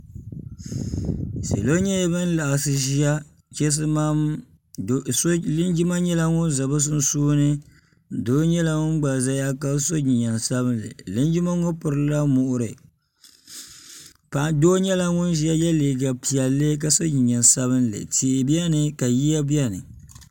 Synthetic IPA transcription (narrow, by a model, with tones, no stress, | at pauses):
sḛ˨lo˦ɲɛ˦jbɨ˦n˦la˨sɨ˨ʒi˦a˦ | t͡ʃɛ˦s̬ɨ˦ma˦ | lɪ˦nd͡ʒi˦ma˦ɲɛ˦la˦ŋʊ˦n˦za˨bɨ˦s̬ɨ˦n̩˦suː˦nɨ˦˨ | doː˦ɲɛ˦la˦ŋʊ˦n˦ɡ͡ba˨za˦ja˦ka˦so˦ɲi˨ɲa˨nsa˦bɨ˦nlɨ̰˨lɪ˦nd͡ʒi˦ma˦ŋo˦pʊ˨ɾɨ˦la˦mʊ˨ʔʊ˦ɾɨ̰˨ | pa˨doː˦ɲɛ˦la˦ŋʊ˦nʒi˦a˦jɛ˦liː˨ɡa˨pi˨ɛ˨lːɨ˦k̬a˦so˦ɲi˨ɲa˨nsa˦βɨ˦nlɨ̰˨ti˨bi˦a˦nɨ˨ka˨ji˦ja˦bi˦a˦nɨ˨